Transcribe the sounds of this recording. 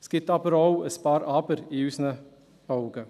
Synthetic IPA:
skɪt̪ɑpəɾowəspɑːɾɑːpəɾiʉːsnə | ɑwɡə

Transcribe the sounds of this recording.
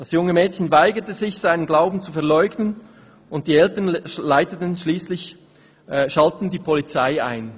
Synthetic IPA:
d̥ɑsjʊŋəmɛːtçənvaɪɡətəzɪçz̥aɪnənɡlaʊbn̩t͡sufɛɐlɔʏɡnən | ʊnt̚d̥iːɛltɐnlaɪtətən̩ʃliːslɪç | ʃaltn̩diːpʰɔlit͡saɪa̰ɪn

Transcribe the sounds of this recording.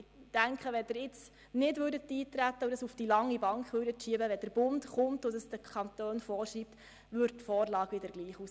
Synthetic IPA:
d̥æŋkχəʋɛd̥ɪɾɪt͡s | nɪdʋʉːɾdətːiːtɾætːəudəsufd̥ilɑŋːibɑŋkχʋøːɾdətʃiəbəʋɛd̥əɾb̥ʊntχʊmtʊdəsd̥əkʰɑntøːnfɔːɾʃiːp̚t | ʋʏɾttfɔːrlɑːɡ̥ʋɪdəɾɡ̥liːχus

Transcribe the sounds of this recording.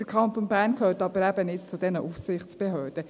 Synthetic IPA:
d̥əkʰɑnt̪onbæːɾnkʰhøːɾtɑbəɾæbənɪt̚t͡sʊdɛnəʔufsɪχt͡sb̥ɛɦøːd̥ə

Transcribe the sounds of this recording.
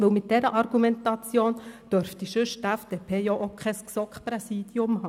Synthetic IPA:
ʋɪlmɪt̚d̥ɛɾəʔɑɾɡ̥umɛntɑt͡sjoːnd̥œɾfd̥iʃʏʃtæfd̥epʰeːjɔʔokʰχɛsksɔkχpɾɛsiːd̥jʊmhɑː

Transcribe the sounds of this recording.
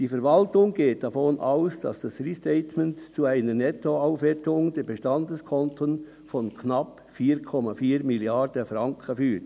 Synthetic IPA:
d̥iːfɛɾvɑltʊŋɡeːt̚d̥ɑfɔnʔaʊsd̥ɑ̰sd̥ɑsristɛɪtmɛntt͡suaɪnənɛtʰoaʊfʋɛtʊŋd̥ɛbəʃtɑndəskʰɔntʰən | fɔnkʰnɑp | fiːɾkʰɔmɑfiːɾmiljɑɾdəfɾɑŋkʰəfyːt

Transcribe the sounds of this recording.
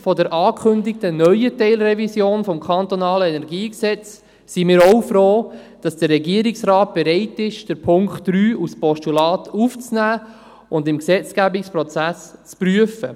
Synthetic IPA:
fɔdəɾʔɑːkʰχʏndɪk̚tənœʏjətɛɪlɾɛvisjoːnfɔmkʰɑnt̪ɔnɑːləɛnɛɾɡiːksɛt͡sː | imɪːɾoʊfɾoː | d̥ɑsd̥ərːɛɡiəɾɪksrɑːt̚b̥ɛɾɛɪtɪʃd̥əɾpʰʊŋktːɾyːuspɔʃtulɑːtʰuft͡snæː | ʊndɪmksɛt͡sɡ̥æbɪkspɾɔt͡sæst͡spryəfə

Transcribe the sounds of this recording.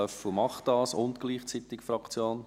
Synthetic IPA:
œfl̩ˠmɑχd̥ɑːsʊntɡ̥liːχt͡sit̪ɪkfɾɑkt͡sjoːn

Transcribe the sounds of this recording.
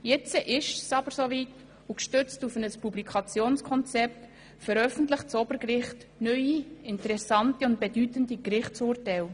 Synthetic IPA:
jɛt͡səʔɪʃsɑbəɾsovit | ukʃtʏt͡stufənəspublikʰɑt͡sjoːnskʰɔnt͡sɛp̚t | fɛɾœfən̩tlɪχtt͡sɔb̥əɾkɾɪχt | nœʏiɪntəɾɛsɑntiʊnt̚b̥edytəndikrɪχt͡suːrtɛɪl

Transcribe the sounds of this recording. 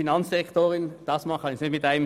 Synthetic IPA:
inɑnsɛktoːʁɪnd̥ɑsmɑχɑnçnɪtmɪtaɪnəm

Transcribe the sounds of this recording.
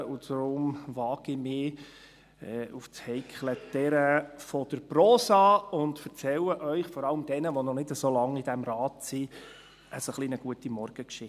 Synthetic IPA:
ud̥ɾʊmʋɑːɡ̥imɪː | ɛːuft͡shɛɪkʰlətɛɾəfɔd̥əɾproːsɑʊntfəɾt͡sɛləʔœʏχfɔɾɑləmd̥ɛnəʋonɔnɪdəsolɑŋid̥æmɾɑːtsi | ʔəsoχlinəɡ̥uətimɔrɡ̥əkʃɪ

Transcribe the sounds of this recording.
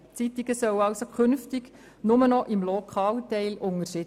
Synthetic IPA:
t͡sit̪iɡ̥əsœwɑwsokʰʏnftɪɡ | nʊmənɔʔɪmlokʰɑːltɛɪlʔʊŋəʃɪ

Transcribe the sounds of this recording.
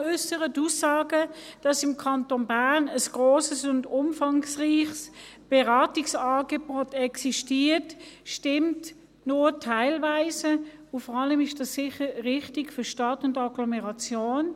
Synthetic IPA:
ʏsəʁətusːɑːɡəd̥ɑsɪmkʰɑntonbaɐnəsɡ̥ʁoːsəsʊndʊmfɑŋsʁiːχsb̥ɛʁɑːtiksɑːɡebotɛksiʃtiːtʃtɪmt | nʊtʰaɪlvaɪsəʊfɔʁɑləmɪʃd̥ɑsːɪχəʁɪχtikføɐʃtɑtʊndɑɡlɔmɛʁɑt͡sjoːn

